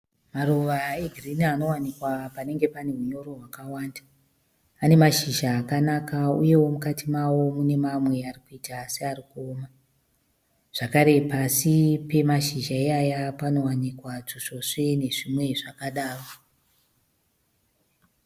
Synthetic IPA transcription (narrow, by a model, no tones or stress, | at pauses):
maɾuʋaeɡʱriniano̞wanikwapane̞ŋɡe̞pane̞uɲo̞ɾo̞ɦwakawaːndaː | ne̞maʃiʒaːkanakaṵje̞wo̞mukatimawo̞mune̞mamwe̞arikuitaseaɾikoːma | ʐ̥akaɾe̞pasipe̞maʃiʒaeajapano̞wanikwat͡ʂoʐoʂe̞ne̞ʐimwe̞ʐakaɗaːro